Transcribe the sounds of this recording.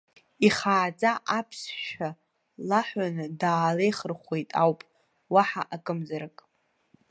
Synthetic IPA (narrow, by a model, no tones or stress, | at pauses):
iχaːt͡sʼaʔapʰsʃᶣa | laħʷanɨdaːlejχərχʷe̞jtʼawpʼ | waħa̰ʔakʼɨmzaɾakʼ